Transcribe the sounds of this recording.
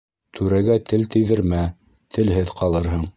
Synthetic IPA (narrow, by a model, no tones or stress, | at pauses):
t̪ʰʉɾæɡæt̪ʰɘlt̪ɘ̆jðɘ̆ɾmæ | t̪ʰɘ̆lɦɘðqɑlˠɤɾɦɤɴ